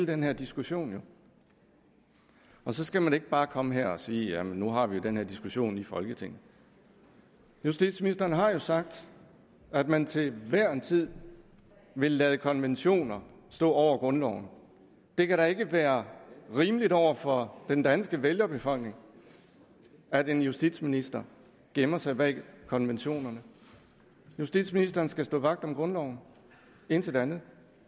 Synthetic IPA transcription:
ld̥enhæɐ̰d̥isɡ̥uɕo̝̰ːnjo̝ | ɒ̽sɒ̽sɡ̥æmæne̝ɡ̥̚b̥ɑ̈ːkʰɒ̽məɦeɐ̰ɒ̽siːjæmenːuɦɑ̈ʋijo̝d̥enɦeɐ̰d̥isɡ̥uɕo̝̰ːnlifɒ̽lɡ̥ət͡sʰe̝ŋ̰ð̩ˠ | jusd̥ḭːd̥sminisd̥ɐːnɦɑ̈jo̝sɑ̈ɡ̥̚d̥ | æd̥mænt͡sʰe̝lʋæɐ̰ent͡sʰið̰ˠ | ʋe̝lːæð̩ˠəkʰɒ̽nʋenɕo̝̰ːnɐ | sd̥ɔ̰̽ːɒʊ̰ɐɡ̥ʁɔ̽nlɒʊn̩ | d̥e̝kʰæɾɑ̈e̝ɡ̥əʋæːɐʁiːməlidɒʊ̰ɐfɒ̽d̥end̥ænsɡ̥əʋeljɐb̥e̝fɒ̽l̰ɡ̥neŋ | æd̥e̝njusd̥id̥sminisd̥ɐ | ɡ̥emɐsɑ̈ɪb̥ɛ̰ɪkʰɒ̽nʋenɕo̝̰ːnɐnə | jusd̥id̥sminisd̥ɐːn̩sɡ̥æsd̥ɔ̰ːʋɑ̈ɡ̥d̥ɒ̽mɡ̥ʁɔ̽nlɒʊn̩ | e̝n̰t͡sʰe̝ld̥eænð̩ˠ

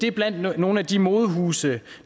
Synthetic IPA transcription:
d̥e̝ɐb̥læn̰d̥no̝ːn̩æd̥imo̝ːðˠɦuːsə

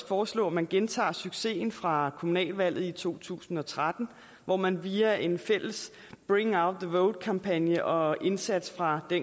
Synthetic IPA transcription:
fɒːslɔ̰̽ːæmænɡ̥ent͡sʰɑ̰̈ːsyɡ̥se̝̰ːnfʁɑ̈kʰo̝munɛ̰ːlʋæl̰ð̩ˠit͡sʰo̝̰ːt͡sʰṵːsn̩ɒ̽t͡sʰʁad̥n̩ | ʋɒmænʋiæʔe̝nfel̰əs | b̥ʁiŋɑ̈ʊd̥̚ðəʋɔʊd̥̚kʰɑ̈mpʰænjəʔɒ̽e̝nsæd̥sfʁɑ̈d̥en

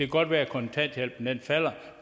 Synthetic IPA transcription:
æɡ̥ɒ̽d̥ʋæːɐkʰɒ̽nt͡sʰæn̰d̥jel̰b̥n̩denfæl̰ɐ

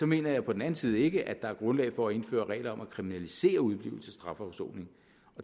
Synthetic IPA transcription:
sɒ̽me̝̰ːnɐjɑ̈ɪpʰɒ̽d̥en̩æn̩siːð̞̩ˠe̝ɡ̥əʔæd̥ɑ̈æɐɡ̥ʁɔ̽nlɛ̰ɪfɒ̽æe̝nfø̰ːɐʁɛ̰ɪlɐɒ̽mækʰʁiminælise̝̰ːɐuð̞ˠb̥lḭːʊl̩səsd̥ʁɑ̈fɒʊso̰ːne̝ŋ | ʔɒ̽

